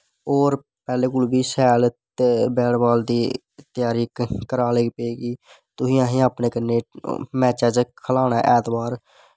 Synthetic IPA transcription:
oːɾ | pɛːleːkʊlbiːsɛːl | bɛːɽbaːld̪iː | t̪ɪjaːɾiːkkəɾaːleːpeːɡiː | t̪ʊɦĩːãːɦẽːaːpneːkəneːmɛːt͡ʃəːd͡ʒkʰəlaːnaːʔɛːt̪baːɾ

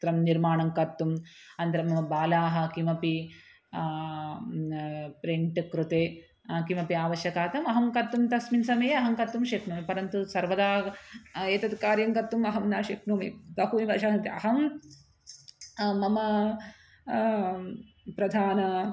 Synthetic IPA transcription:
t̪ɾɐmniɾmaːɳɐŋkɐt̪ːum | ɐnt̪ɐɾɐmːɐmɐbaːlaːɦɐ̆kimɐpi | pɾeɳʈɐkɾut̪eː | kimɐpiaːʋɐʃjɐkaːt̪ɐmɐɦɐmkɐt̪ːumt̪ɐsminsɐmɐjeɐɦɐŋkɐt̪ːumʃeknuːmepɐɾɐnt̪usɐɾʋɐd̪aː | eːt̪ɐd̪kaːɾjɐŋkɐt̪ːumɐɦɐmnaːʃɐknuːmḛt̪ɐɦuːibɐʃaːɦɐnt̪iɐɦɐm | mɐmɐ | pɾɐd̪ʱaːnɐ

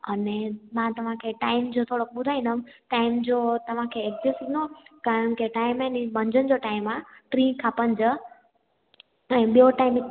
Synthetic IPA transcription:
ɐnemãt̪ɐʋ̤ãkʰeʈaːɪmd͡ʑot̪ʰoɽokɓʊd̪ʱaːĩnəmʈaɪmd͡ʑot̪ɐʋ̤ãkʰeek̚zesinõkaɾəɳkeʈaːɪmɛnibə̃ɲd͡ʑʱənɪ̆d͡ʑoʈaːɪmãʈɾĩkʰãpənd͡ʑə | ɛ̃ːɓijoʈaːɪm

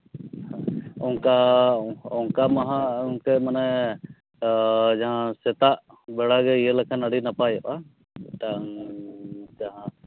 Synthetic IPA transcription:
hãɔŋka | ɔŋkamaɦãuŋkɛmanɛ | d͡ʒaɦãsɛt̪aʔ | bɛɽaɡɛijəlɛkʰanaɽinapajɔʔa | t̪aŋ | d͡ʒaɦã

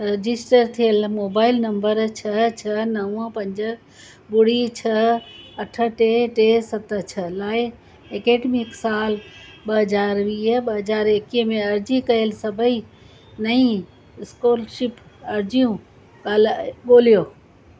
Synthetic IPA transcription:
ɾɐd͡ʑɪsʈəɾt̪ʰijəlmoːbaːɪlnɐ̃mbəɾt͡ɕʰɐt͡ɕʰɐnɐwə̃pɐ̃ɲd͡ʑə | bʊɽ̤it͡ɕʰɐɐʈʰə̆ʈeʈesɐt̪ə̆t͡ɕʰɐlaːɪ | ekeːɖmɪksaːlɓɐɦɐzaːɾʋiːɦɓɐɦɐzaːɾekiɦmẽɐɾd͡ʑikɐjəlsɐbʱəi | nɐĩ | ɪskoːlʃɪpɐɾd͡ʑijũ | aːlɓoːlijoː

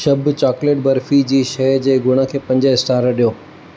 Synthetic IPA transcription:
ʃɐbʱt͡ɕaːkleːʈbɐɾfid͡ʑiːʃɐd͡ʑeːɡʊɽ̃ə̆kʰeːpɐ̃ɲd͡ʑəɪsʈaːɾɗijoː

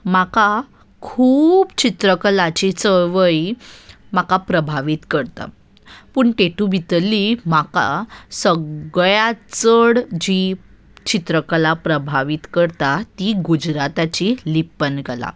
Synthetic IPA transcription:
maka | kʰuːpt͡ɕit̪ɾəkəlat͡ɕit͡səɭʋəi | makapɾəbʱaʋiːt̪kəɾt̪a̰ | pəːɳʈeʈubʱit̪limaka̰səɡɭjat͡səɽd͡ʑi | t͡ɕit̪ɾəkəlapɾəbʱaʋiːt̪kəɾt̪at̪iɡud͡ʑɾat̪at͡ɕilipənɡəla̰

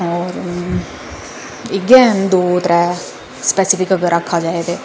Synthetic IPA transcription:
ɔːɾ | əɡɛnd̪oːt̪ɾɛː | spɛsɪfɪkɐɡəɾʔakʰːad͡ʒaːet̪eː

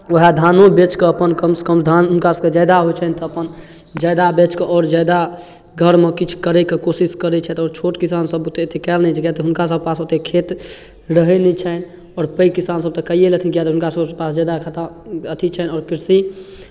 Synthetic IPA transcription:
oɦad̪ʱanobet͡ʃkeəpənkəmsə̥kəmd̪ʱanɦʊnkasəked͡ʒajd̪aɦojt͡ʃʰənt̪ɔəpən | d͡ʒajd̪abet͡ʃkeʔɔːɾd͡ʒajd̪a | ɡʱəɾmekit͡ʃʰu̥kəɾɛkekosiskəɾɛt͡ʃʰɛt̪ɔːɾt͡ʃʰoʈkisansəbot̪eot̪ekɛlnɛd͡ʒekjat̪ɦʊnkasəbʱpasot̪ekʰet̪ | ɾəɦɛnit͡ʃʰɛn | ɔːɾpəkisansəb̚t̪əkəijelət̪ʰinkijat̪ɦunkasəpasd͡ʒajd̪akʰat̪aət̪ʰit͡ʃʰɛnɔːɾkiɾsi

